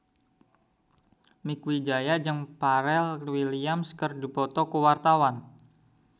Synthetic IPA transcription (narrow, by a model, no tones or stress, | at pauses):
mikwid͡ʒajad͡ʒəŋpaɾɛlwiliamskərdipɔt̪ɔkəwart̪awan